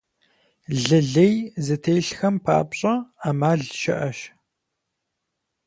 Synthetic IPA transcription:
ɮɨɮejzɨtʰejɬxɐmpʰa̰ːpɕʼɐaːmaːɮʃɐ̰ʔɐʃ

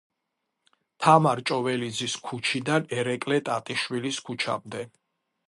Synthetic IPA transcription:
t̪ʰamaɾt͡ʃʼɔvɛlid̪ziskʰut͡ʃʰid̪anɛɾɛkʼlɛt̪ʼat̪ʼiʃwiliskʰut͡ʃʰa̰md̪ɛ

